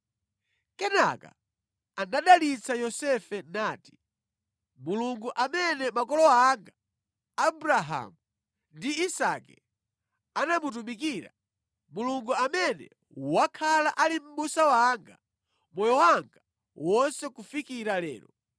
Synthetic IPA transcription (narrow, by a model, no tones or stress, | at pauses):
kɛna̰ka̰ | anaɗalit͡sʰajɔsɛfɛnaːti̥ | muluŋɡuʔamɛnɛmakɔlɔaŋɡaː | buɾaɦa̰mu | ndiːsakɛ | anamut̬umikiːɾa | muluŋɡuamɛnɛ̰ | wakʰalaʔalim̩ɓusawaŋɡa | mɔjɔwaŋɡa | wɔnsɛkufikiɾalɛ̰ːlɔ